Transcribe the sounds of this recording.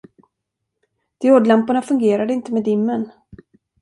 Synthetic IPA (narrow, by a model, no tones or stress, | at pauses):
d̪̥ɪoːd̪lampʊɳafɵŋɡeːɾad̪əɪnt̪əmɛd̪ɪmːən